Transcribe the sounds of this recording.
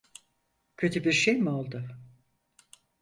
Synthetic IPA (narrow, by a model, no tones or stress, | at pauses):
cʰø̞t̪ʰybiɾʃejmio̞lˠd̪ʊ